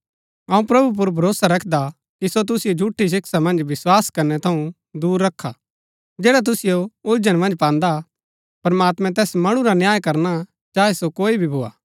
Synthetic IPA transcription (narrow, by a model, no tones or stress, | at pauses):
ɐũpɾɐbʱup̬ʊɾbʱɐɾoːsaɾɐkʰd̪a | kisot̪̬ʊsɪjod͡ʒʱuːʈʰːis̬ɪksamɐ̃nd͡ʒʋɪswaːskɐɾnɛt̪ʰɐũ | d̪uːɾːɐkʰːa | d͡ʒɛːɽat̪̬ʊsɪjoʊld͡ʒəɽ̃mɐ̃nd͡ʒpãːnd̪a | pɐɾmaːt̪mɛ̃t̪ɛːsmɐɽ̃ũɾanjaːjkɐɾna | t͡ʃaːɛsokoːibʱibʱoːa̰ː